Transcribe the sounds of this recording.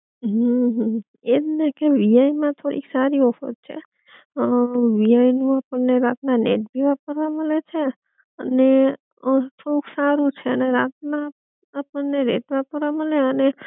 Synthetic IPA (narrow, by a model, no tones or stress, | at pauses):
ɦəɦə̃ | ed̪nekeʋiajmãt̪ʰoɽḭksaɾiɔfə̰t̪̚t͡ʃʰḛ | ʋiainũapəɳːeɾat̪nanḛʈ̚bʱiʋapəɾʋãməlet͡ʃʰe | əne | t̪ʰouksaɾũt͡ʃʰeəneɾat̪̚na | apəɳːeɾḛʈ̪ʋapəɾʋãməleəne